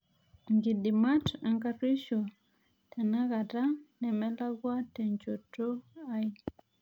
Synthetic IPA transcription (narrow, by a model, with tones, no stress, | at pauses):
ŋɡi˨di˨ma˦ta˨ŋka˦ɾi˦ʃo˨ | tɛ˨na˦ka˨ta˦nɛ˨mɛ˦la˦ɡwa˦tɛ˨ɲt͡ʃo˨to˦a˦j